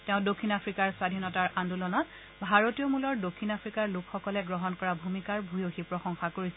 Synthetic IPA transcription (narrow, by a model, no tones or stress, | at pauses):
tɛ̃ʊ̃dokʰːinapʰɹikaɹswadʱinɔtaɹʔandulɔnɔt | bʱaɹotijɔmulɔɹdokʰːinapʰɹikaɹlʊkxɔkɔlɛɡɹɔɦɔnkɔɹabʱumikaɹbʱujoxipɹɔxɔŋxakoɹis